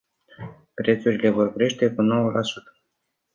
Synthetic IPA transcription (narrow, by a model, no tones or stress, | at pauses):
pɾe̞t̪suɾʲile̞vo̞rkɾe̞ʃt̪e̞kuno̞wəlʔasut̪ə̥